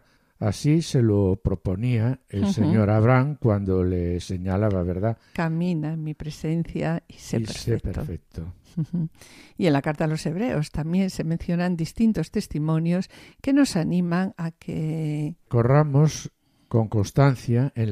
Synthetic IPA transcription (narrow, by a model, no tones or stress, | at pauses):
asiselopɾoponiaelseɲoɾaβɾaŋkwand̪olese̞ɲalaβaβ̞eɾðakamĩnamipɾe̞senθjaiseipḛɾsfekpetɾfek̚t̪ʰoh̩ | ienlakaɾt̪alo̞se̞β̞ɾe̞ost̪amjẽ̞nse̞mẽnθjo̞nãnd̪ist̪int̪o̞st̪e̞st̪imõnjoske̞no̞sanĩmãŋakʰeko̞ramos | ko̞ŋkonst̪an̟θjaen